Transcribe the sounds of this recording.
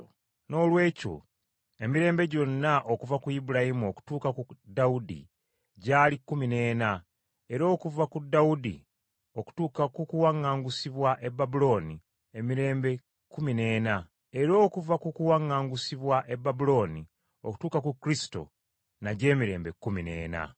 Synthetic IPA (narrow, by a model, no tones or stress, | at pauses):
no̞ːlwe̞ːco̰ | e̞miɾe̞ːmbe̞ɟo̞nːaʔokuvakujibulajimuoku̥tuːkakudaudḭ | ɟaːlikːumine̞ːna | e̞ɾo̞ːkuvakudːaudḭ | oku̥tuːkakukuwaŋːaːŋɡusiβwaʔe̞bːabulo̞ːni | e̞miɾe̞ːmbe̞ | kːumine̞ːna | e̞ɾo̞ːkuvakukuwaŋːaːŋɡusiβwaʔebabulo̞ːni | o̞̰ku̥tuːkakukɾisi̥to̞̰ | naɟe̞ːmiɾe̞̰ːmbe̞kːumine̞̰ːna̰